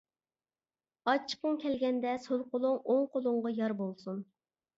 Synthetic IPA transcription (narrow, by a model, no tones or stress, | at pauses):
ɑt͡ʃʰːə̥qːəŋkʲʰɛlɡʲɛnd̪ɛsolˠqolˠʊŋoŋqolˠʊɴʁɑjɑɾbolˠsun